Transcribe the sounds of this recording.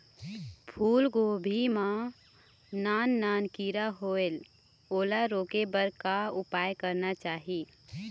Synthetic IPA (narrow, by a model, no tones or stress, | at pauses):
pʰuːlɡoːbʱima | naːnːaːnkiɾaɦoel | oːlaɾoːkebəɾkaʊpaːjkəɾnat͡ʃaːɦi